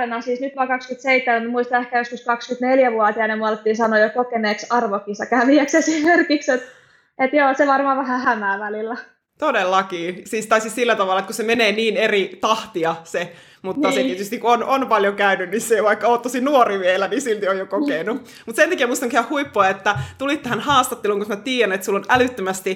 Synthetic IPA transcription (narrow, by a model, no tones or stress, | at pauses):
enɑsiːsnyt̪ʋɑːkɑkskyt̪seit̪ːemæt̪mmuist̪ɑehkæjoskuskɑkskyt̪neljæʋuɑt̪iɑnemuɑlt̪ːiːsɑnojokokeneːksɑrʋokːisɑkæʋiæksesimerkikset̪ | et̪joːseʋɑrmɑːʋæhæhæmæːʋælilːæ | t̪odelːɑkiːsiːst̪ɑsissilːæt̪ɑʋɑˑlːˑɑet̪kusemeneːniːnerit̪ɑht̪iɑse | mutnːɑset̪iet̪yst̪ikuononpɑljokæynynniseʋɑikːɑoːt̪t̪ːosinuoriʋielænisilt̪iojokokenu | mut̪sent̪ækiemuist̪ɑŋkhæhhuipːoɑet̪ːæt̪ulit̪t̪æhænhɑːst̪ɑt̪ːeluːŋkusmæt̪iːjænet̪sulːonælyt̪ːømæst̪i